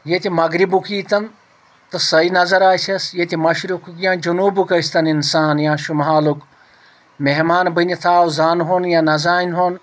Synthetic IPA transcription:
jet̪imɐɡɾibukiːt̪ɐn | t̪ɨsɐinɐzɐɾaːsɐsjet̪ʲimɐʃɾukukjãːd͡ʒunuːbukɐsʲt̪ɐninsaːnjãːʃumɦaːluk | meɦmaːnbɨnʲit̪ʰaːwzaːnɦoːnjãːnɐzaːnɦoːn

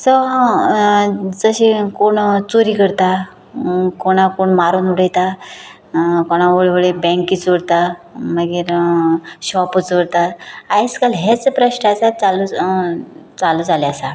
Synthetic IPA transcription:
sɔ | d͡zəɕikoɳt͡soɾiːkəɾt̪a | koɽ̃akoɳmaɾunuɽ̤əjt̪a | koɽ̃aoɭʋəɭebɛ̃ŋkiːt͡sʋəɽt̪aməɡiːɾ | ɕɔput͡sʋəɾt̪aajskalɦet͡səpɾəɕnəasat͡salu | t͡saluːd͡zaleasa

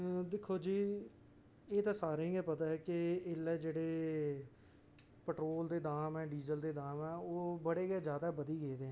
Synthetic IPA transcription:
d̪ɪkʰːoːd͡ʒiː | eːt̪ãːsaːɾeĩɛːpət̪aːɦɛːkɪɪlːɛːd͡ʒeːɽeː | pəʈɾoːld̪eːd̪aːmɛ̃ːɖiːzəld̪eːd̪aːmɛːoːbəɽeːɡɛːd͡ʒjaːd̪aːbəd̪iːɡeːd̪eːɦɛ̃ː

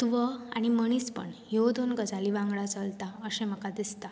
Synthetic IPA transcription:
t̪uʋəaɽ̃iməɳ̃iːspə̰ɳjod̪onɡəd͡zaliʋãŋɡɭat͡səlt̪aəɕẽm̤əkad̪ist̪a

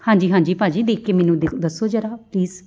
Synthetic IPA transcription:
hãːɲd͡ʒiːɦãːɲd͡ʒiːpaːd͡ʒiːd̪eːkʰːeːmɛːnũːd̪ed̪əsːoːd͡ʒəɾaːpliːz

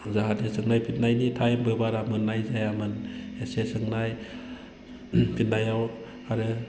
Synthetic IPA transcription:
zaɦatesɯŋnajpʰit̚najnitʰajmbɯbaɾamɯnːajzajamɯnesesɯŋnaj | pʰit̚najaw | aɾɯ

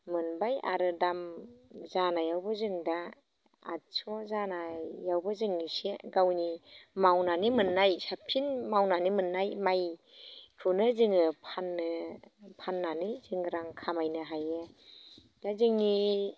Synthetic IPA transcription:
mɯnbaja̰ɾɯdamzanajawbɯzɯŋda | a̰sɔzanajawbɯzɯŋniseɡawnimawnanimɯnːajsapʰinmawnanimɯnːajmaj | kʰɯnɯzɯŋɯpʰanːɯpʰanːanizɯŋɾaŋkʰamajnɯɦaje | d̥azɯŋni

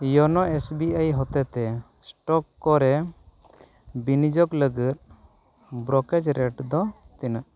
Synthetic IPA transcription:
jɔnɔesbiajɦɔt̪ɛt̪ɛ | sʈɔkːɔɾɛ | binid͡ʒɔkləɡit̪̚ | bɾɔkɛd͡ʒɾɛʈd̪ɔt̪inaʔ

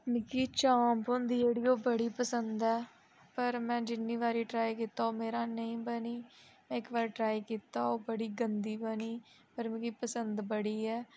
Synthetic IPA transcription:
mɪkiːt͡ʃãːmpɦõːnd̪iːd͡ʒeːɽiːoːbəɽiːpəsənd̪ɛː | pəɾmɛ̃ːd͡ʒɪnːiːʋaːɾiːʈɾaːikiːt̪aːoːmeːɾãːnəĩːbəniːmɛ̃ːɪkbaːɾʈɾaːiːkiːt̪aːoːbəɽiːɡənd̪iːbəniː | pəɾmɪkiːpəsənd̪bəɽiːɛː

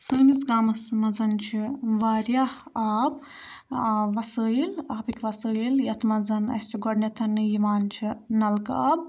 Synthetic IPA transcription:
sɨːmisɡaːmɐsmɐzɐnt͡ʃʰiʋaːɾjahaːb̚ | ʋɐsɨːilaːbikʲʰʋɐsɨiljɐt̪ʰmɐzɐnɐ̰st͡ʃʰiɡɔɖnʲɐt̪ʰɐnɨjimaːnt͡ʃʰinɐlkaːb̚

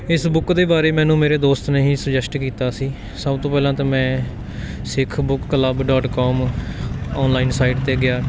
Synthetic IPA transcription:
ɪsbʊkd̪eːbaːɾeːmɛ̃ːnũːmeːɾeːd̪oːst̪nəɦĩːsəd͡ʒɛsʈkiːt̪aːsiː | səbt̪õːpɛːlãːt̪ãːmɛ̃ː | sɪkʰbʊkːələbɖɔːʈkɔːm | ɔːnlaːiːnsaːiʈt̪eːɡɪjaː

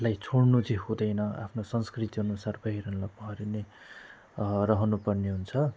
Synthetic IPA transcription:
lajt͡sʰoɽnud͡ziɦũd̪ʌjnʌa̰pʰnosʌnskrit̪iɦʌnusarbʱʌɦiɾʌnlapʌɦʌɾine | rʌɦʌnupʌrneɦunt͡sʰʌ

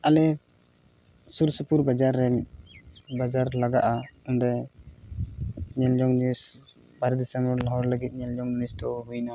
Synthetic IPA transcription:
alɛ | suɾsupuɾbad͡ʒaɾːɛɲ | bad͡ʒaɾlaɡaʔaunɾɛ | ɲɛld͡ʒɔŋnis | baɾd̪isɛmɔɾlɔɦɔɾləɡit̪̚ˀɲɛld͡ʒɔŋnisd̪ɔɦujna

